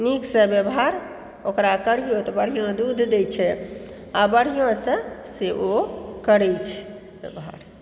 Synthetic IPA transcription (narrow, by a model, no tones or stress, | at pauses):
niksə̃bjəbɦaɾ | okɾakəɽ̤ijot̪ɔbəɽ̤ijõd̪ud̪ʱd̪et͡ʃʰɛ | abəɽ̤ijõsə̃seʔokəɽɛt͡ʃʰ | bebɦa̰ɾ